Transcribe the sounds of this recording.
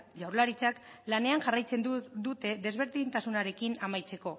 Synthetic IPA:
ʝawɾlaɾit͡saklane̞aŋʝarajt͡se̞nd̪ut̪e̞ðe̞zβ̞e̞ɾðint̪asunaɾe̞kinamajt͡se̞ko̞

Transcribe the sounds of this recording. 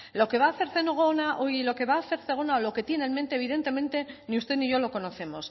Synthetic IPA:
lo̞ke̞βaːθe̞ɾθe̞noɣ̞onaʔoilo̞ke̞βaːθe̞ɾθe̞ɣ̞o̞naolo̞ke̞t̪je̞nelment̪eːβiðe̞nt̪e̞mẽ̞nt̪e̞niust̪eniʝo̞lo̞ko̞no̞θe̞mos

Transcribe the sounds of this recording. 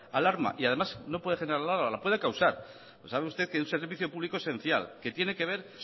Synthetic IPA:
alaɾma̰ʔiaðe̞masno̞pweðe̞xeneɾalalaɾmalapwe̞ðekawsaɾ | saβeust̪e̞ðkeunse̞ɾɾβiθjo̞puβlikoesẽ̞n̟θja̰lke̞t̪je̞ne̞ke̞β̞e̞ɾ

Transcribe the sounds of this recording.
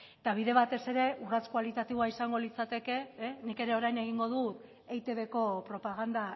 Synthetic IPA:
t̪aβ̞iðe̞β̞at̪e̞se̞ɾe̞ʔurat͡skwalit̪at̪iβoaisaŋɡo̞lit͡sat̪e̞ke̞nike̞ɾe̞o̞ɾajne̞ɣ̞iŋɡo̞ðut̪ | ejt̪e̞βe̞ko̞pɾo̞paɣ̞and̪a

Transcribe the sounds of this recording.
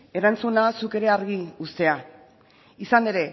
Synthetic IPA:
e̞ɾant͡sunasuke̞ɾe̞aɾɣiust̪e̞a | isane̞ɾe̞

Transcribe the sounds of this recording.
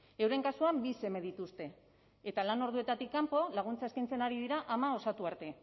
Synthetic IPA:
e̞wɾe̞ŋkasuambise̞me̞ð̞it̪ust̪e̞ː | t̪alano̞ɾð̞ue̞t̪at̪ikːampo̞laɣ̞unt͡saeskajnt͡se̞naɾið̞iɾaʔamao̞sat̪uaɾt̪e̞

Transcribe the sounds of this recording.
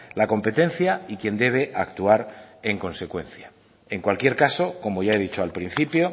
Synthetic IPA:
lako̞mpe̞t̪e̞n̟θjaikje̞nd̪e̞β̞e̞ʔakt̪uaɾeŋko̞nse̞kwe̞̰nθja | e̞ŋkwalkje̞ɾkaso̞ko̞mo̞ʝae̞ðit͡ʃoalpɾin̟θipjo̞

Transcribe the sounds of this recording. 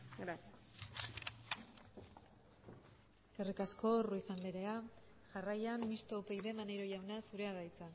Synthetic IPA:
ɡɾat̪as | ekerikasko̞ruiθanle̞ɾe̞a | ʝarajammist̪oupe̞jðe̞manejɾo̞ʝawnasuɾe̞aɣajt͡sa

